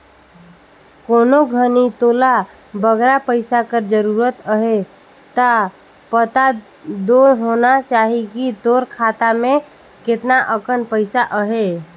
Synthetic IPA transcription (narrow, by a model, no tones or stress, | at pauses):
koːnoɡʱənit̪ola | bəɡɾapəɪsakəɾd͡ʒəɾuɾət̪əɦe | t̪a | pət̪a | d̪oɾɦonat͡ʃaːɦikit̪oɾkʰat̪amẽ | kɪt̪naʔəkənpəɪsaʔəɦe